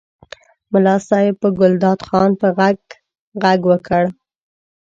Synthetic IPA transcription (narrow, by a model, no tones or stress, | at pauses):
mʊlɑsɑjɪb̚pəɡʊld̪ɑd̪xɑnpəɣaɡ | ɣaɡwəkʰəɽ